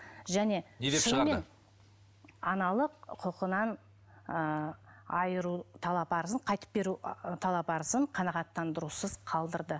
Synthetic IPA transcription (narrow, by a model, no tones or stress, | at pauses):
ʒæne̞nesʊnmen | ɑnɑlˠəqqʰʊqənɑn | ə | ɑjəɾut̪ʰɑlˠɑpɑɾəzəɴqʰɑjt̪ə̥p̚be̞ɾut̪ʰɑlˠɑpɑɾəzəɴqʰɑnɑʁɑt̪ːɑnd̪əɾusəz̥qʰɑlˠd̪əɾd̪ə